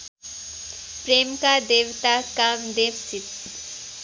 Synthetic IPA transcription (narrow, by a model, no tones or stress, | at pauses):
pɾemkad̪eʋt̪akamd̪eʋsit̪